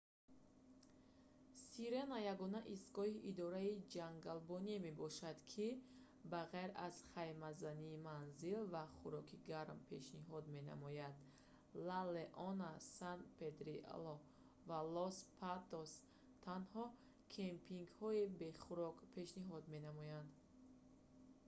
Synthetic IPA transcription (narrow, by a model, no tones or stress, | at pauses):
siɾenajaɡɔnaʔisɡɔhiʔid̪ɔɾaid͡ʒaŋɡalbɔnieme̞bɔʃad̪kʰi | baʁajɾa̰z̥χajmazaniːmanzilvaχuɾɔkʰiɡaɾmpʰe̞ʃniɦɔd̪me̞na̰mɔjad̪ | laleʔɔnasand̪pʰet̪ɾḭlɔ | valɔspʰat̪os | t̪ʰanhɔ | kʰempʰiŋɡhɔibe̞χuɾɔkpʰe̞ʃniɦɔd̪me̞namɔjand̪